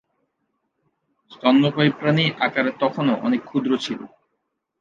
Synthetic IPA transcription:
st̪ɔnːokojpɾaniʔakaɾet̪ɔkʰonoʔɔ̰nekʰːud̪ɾot͡ɕʰilo̰

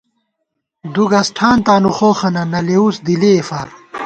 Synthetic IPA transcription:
d̪uɡɐsʈʰaːnt̪aːnuχoːxɐnɐnɐleusd̪ileːfaːɾ

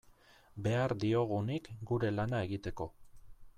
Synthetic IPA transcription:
be̞aɾd̪io̞ɣ̞unikɡuɾe̞lanae̞ɣit̪e̞ko̞

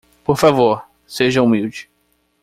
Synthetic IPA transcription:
poɾfavoɾ | seʒɐumiwd͡ʒɪ̥

